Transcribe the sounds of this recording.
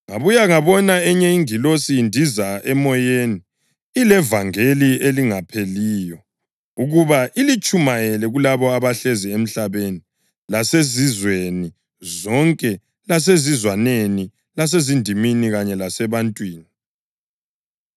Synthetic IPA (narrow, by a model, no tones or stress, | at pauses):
ŋaβujaŋaβɔnaɛɲɛiŋilosiːndʱizaɛmɔjeːniː | lɛvaŋelieliŋapʰeliːjɔ | uɣuβaʔilit͡ʃʼumajɛlɛɣulaβɔaβaɬɛziem̩ɬaβeni | lasezizweni | zɔŋkʼɛ | las̬ezizwaneni | las̬ezindʱiminiɣaɲɛlasɛβantʼwiːni